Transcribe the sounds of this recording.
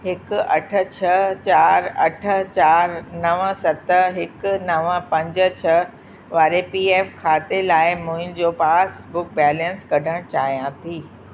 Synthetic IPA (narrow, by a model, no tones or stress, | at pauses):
ɦɪkɐʈʰə̆t͡ɕʰɐt͡ɕaːɾɐʈʰə̆t͡ɕaːɾnɐʋəsɐt̪əɦɪkʊnɐʋəpɐ̃ɲd͡ʑə̆t͡ɕʰɐ | ʋaːɾepiːeːfkʰaːt̪elaːɪmuːɪnd͡ʑoːpaːsbʊk̚bɛːlə̃nskɐɖʱəɽ̃t͡ɕaːɦijãt̪ʰiː